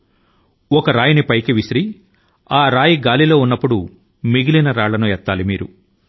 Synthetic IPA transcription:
ɔkɐɾaːjɐnipɐjkiʋisɾi | aːɾaːjiɡaːlilo̞ːunːɐpːuɽu | miɡilinɐɾaːɭːɐnuɛt̪ːaːlimiːɾu

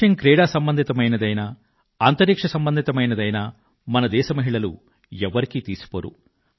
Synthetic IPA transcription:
ɐŋkɾɛːɽaːsɐmbɐnd̪ʱit̪ɐmɐjnɐd̪ɐjnɐ | aːnt̪ɐɾikʂɐsɐmbɐnd̪ʱit̪ɐmɐjnɐd̪ɐjnɐ | mɐnɐd̪ɛːʃɐmɐɦiɭɐlṵ | ɛʋːɐɾikit̪iːsu̥poɾṵ

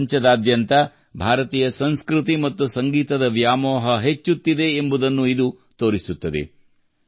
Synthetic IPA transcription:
ɲt͡ʃɐd̪aːd̪jɐnt̪ɐ | bʱaːɾɐt̪iːjɐsɐnskɾut̪imɐt̪ːusɐŋɡiːt̪ɐd̪ɐʋjaːmɔːɦɐɦet͡ʃːut̪ːid̪e̞ːmbud̪ɐnːuid̪u | t̪o̞ːɾisut̪ːɐd̪ḛ

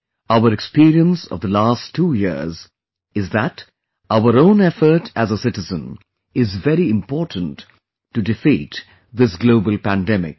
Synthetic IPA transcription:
aʊəɾɛkspiɾiə̃nsʌ̰vðəlæstʰːuːjiz | ɨzðæt | ʔaʊəɾõʊ̃nɛfə˞tʰæzəsɪtɨzə̃n | ɪzvɛɾiɪ̃mpɔːɹtʰə̃n̩tː | udɨfḭt | ðɪsɡloʊbəlˠpæ̃ndɛmɪ̰k̚

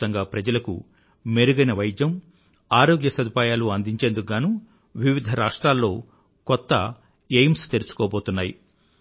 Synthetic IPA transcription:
ɐŋɡaːpɾɐd͡ʒɐlɐkṵ | meɾuɡɐnɐʋɐjd̪jɐm | aːɾoːɡjɐsɐd̪ʱipaːjaːluɐnd̪iɲt͡ʃend̪ukɡaːnu | ʋiʋid̪ʱɐɾaːʂʈɾaːlːo̞ː | kɔt̪ːɐ | ejmst̪eɾut͡ʃu̥koːbo̞ːt̪unːaːji

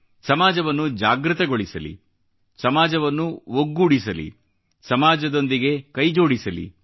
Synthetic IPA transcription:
sɐmaːd͡ʒɐʋɐnːud͡ʒaːɡɾɨt̪ɐɡo̞ɭisɐlḭ | sɐmaːd͡ʒɐʋɐnːuʋoɡːuːɽisɐlḭ | sɐmaːd͡ʒɐd̪o̞nd̪iɡe̞kɐjd͡ʒo̞ːɽisɐlḭ

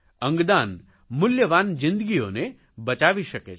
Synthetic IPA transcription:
ə̃ŋɡd̪an | mʊljəʋanzɪ̃nd̪əɡione | bət͡ʃaʋiʃəkḛ

